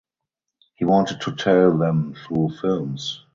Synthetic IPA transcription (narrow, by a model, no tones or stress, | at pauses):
hiːwɔ̃ntəd̚tʰutʰɛlðɛ̃mθɹuːfɪlms